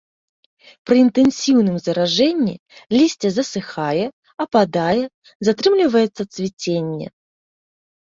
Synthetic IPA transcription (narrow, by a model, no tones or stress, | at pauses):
pɾəɪnt̪ɨnsʲivnɨmzɐɾaʐɛnʲːɪ̰ | lʲisʲtʲəzəsɨxajə | ɐpad̪ajə | zat̪ɾɨmlʲɪvəjɪt̪sət̪svʲɪt͡sʲenʲjə̰